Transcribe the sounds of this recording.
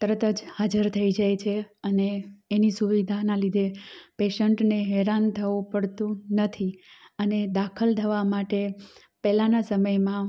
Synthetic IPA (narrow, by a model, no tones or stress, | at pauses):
t̪əɾət̪əd͡ʒhad͡ʒəɾt̪ʰəid͡ʒajt͡ʃʰeəneːnisuʋid̪ʱanalid̪ʱepeʃəɳʈneɦɛɾant̪ʰəʋupəɽt̪ũnət̪ʰiəned̪akʰəlt̪ʰəʋamaʈe | pɛlanasəməjmã